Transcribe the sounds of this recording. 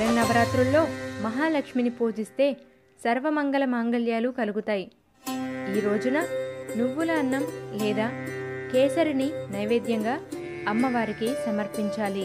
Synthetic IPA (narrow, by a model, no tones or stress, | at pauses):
ɾɐnːɐbɐɾaːt̪ɾulːo̞ːmɐɦaːlɐkʂminipoːd͡ʒist̪e̞ː | sɐɾʋɐmɐŋɡɐlɐmaːŋɡɐljaːlukɐluɡut̪aːji | iːɾo̞ːd͡ʒunɐnuʋːulaːnːɐmlɛːd̪aːkɛːsɐɾininɐjʋeːd̪jɐŋɡaː | ɐmːɐʋaːɾikisɐmɐɾpiɲt͡ʃaːli